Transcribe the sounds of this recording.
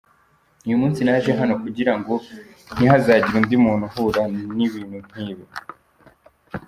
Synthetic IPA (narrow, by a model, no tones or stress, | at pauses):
ujumuːnsinaʒeɦano̞kuɟiɾaŋɡo̞ | n̥iɦazaːɟiɾundimuːnuhuɾaniβiːn̥hun̥hiːβi